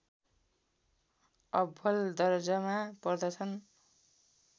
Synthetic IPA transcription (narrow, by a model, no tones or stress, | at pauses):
ʌbʱʌld̪ʌrd͡zʌmapʌrd̪ʌt͡sʰʌn